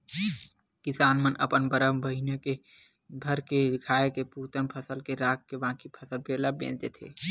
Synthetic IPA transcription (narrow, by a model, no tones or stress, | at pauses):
kɪsaːnmənʔəpənbəɾəmbəɦineke | d̪ʱəɾked̪ɪkʰaːekepuːt̪ənpʰəsəlkeɾaːkːebãːkipʰəsəlpeːlabḛ̃ːd͡ʒt̪et̪ʰḛː